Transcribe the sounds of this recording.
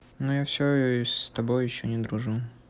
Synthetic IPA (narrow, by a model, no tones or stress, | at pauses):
nojafsʲosʲt̪ɐbojːɪɕːonʲɪd̪ɾʊʐu